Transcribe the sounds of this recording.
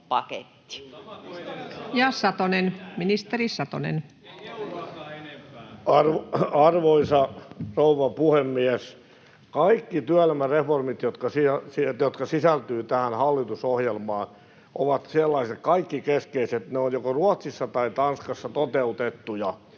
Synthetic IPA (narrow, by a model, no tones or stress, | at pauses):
pɑkḛt̪ːi̥ | jɑsɑt̪onenminist̪erisɑt̪o̰nḛn | ɑrʋɑrʋoisɑrouʋɑpuhemːies | kɑikːit̪yælmæreformit̪jot̪kɑsisijot̪kɑsisælt̪yːt̪æhænhɑlːit̪usohjelmɑːn | ʔoʋɑt̪selːɑiset̪kɑikːikeskeiset̪neonjokoruɑt̪sisːɑt̪ɑit̪ɑnskɑsːɑt̪ot̪eut̪et̪ːujɑ